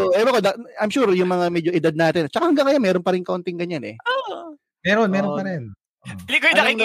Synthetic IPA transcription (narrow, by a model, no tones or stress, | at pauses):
ʔʔɛbɐkod̪ɐajmʃuːɹjʊŋmɐŋamɛːd͡ʒoʔɪd̪ad̪̚naːt̪ɪnt͡ʃɐkahɐŋɡɐŋkɐjamɛːɾonpɐɾɪnkɐʔont̪ɪŋɡɐɲanɛ̰o | mɛːɾonmɛːɾopɐɾɛn | ʔlikojd̪aɪɐ